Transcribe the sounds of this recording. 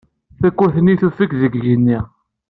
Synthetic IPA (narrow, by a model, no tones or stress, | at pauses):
θækːʊθniθufikðəɡʝənːi